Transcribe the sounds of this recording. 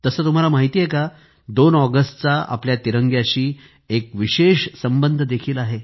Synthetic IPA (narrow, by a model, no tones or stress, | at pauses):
t̪əsəːt̪um̤alamaɦit̪iːjeka | d̪onɔɡəsʈt͡saa̰pljat̪iɾəŋɡjaɕiː | ekʋiɕeɕsəmbənd̪ʱəd̪ekʰiːlaɦe